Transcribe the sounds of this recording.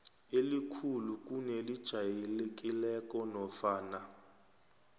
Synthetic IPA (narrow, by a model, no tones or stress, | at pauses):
elikʰulukʼunɛlid̥ʒ̥ʱajelek̬ʼilɛkʼɔnɔfaːna